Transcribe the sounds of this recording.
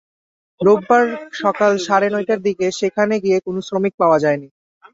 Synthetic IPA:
ɾoɡ̚baɾʃɔkalʃaɾenɔjʈaɾd̪ikeʃekʰaneɡijekonosɾomik̚paoad͡ʑaeni

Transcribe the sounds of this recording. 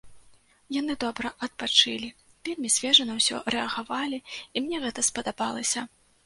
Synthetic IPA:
jan̪ɨd̪ɔbɾɐʔɐt̪̚pat͡ʂɨlʲivʲelʲmʲisʲvʲɛʐɐnɐwsʲɔ̰rɛɐɣavalʲiimnʲɛɣɛt̪ɐspɐd̪abalˠɐsʲɐ

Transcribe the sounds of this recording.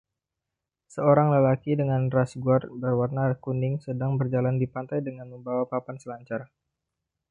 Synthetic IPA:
səoɾaŋləlakidəŋanrasɡuarbərwarnakunɪŋsədaŋbərd͡ʒalandipant̪ajdəŋanməmbawapapansəlaɲt͡ʃar

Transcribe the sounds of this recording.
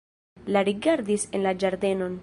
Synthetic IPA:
laɾiɡaɾdisenlad͡ʒaɾde̞no̞n

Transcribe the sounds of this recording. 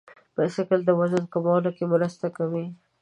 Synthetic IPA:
pəsakəld̪əwazənkəmɑlokemʊɾəst̪akawi

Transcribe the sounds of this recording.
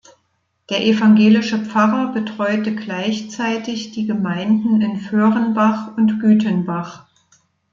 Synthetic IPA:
d̥eːɐʔefaŋɡeːlɪʃəp͡faʁɐbətʁ̥ɔʏtəɡlaɪçt͡saɪtɪçd̥iːɡəmaɪndn̩ɪnføːʁənbaχʊntɡ̥yːtənbaχ

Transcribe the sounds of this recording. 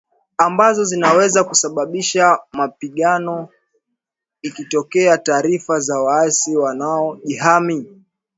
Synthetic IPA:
ambazɔzinawɛzakusaɓaɓiʃamapiɠanɔ | ikitɔkɛataːɾifazawaasiwanaɔʄiɦami

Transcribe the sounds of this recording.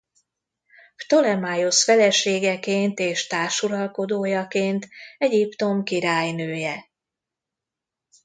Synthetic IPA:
t̪o̞lɛmajosfɛlɛʃeːɡɛkeːnt̪eːʃt̪aːrʃuɾɒlko̞d̪oːjɒkeːnt̪ɛɟipt̪o̞mkiɾaːjnøːjɛ

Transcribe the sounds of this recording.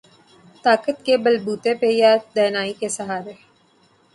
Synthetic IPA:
t̪aːkət̪kebɐlbuːt̪epejad̪ɛːnaːikesɐɦaːɾe

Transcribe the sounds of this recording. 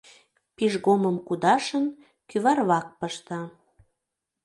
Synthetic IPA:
piʒɣoməmkud̪ɑʃən | kyβɑrβɑk̚pəʃt̪ɑ

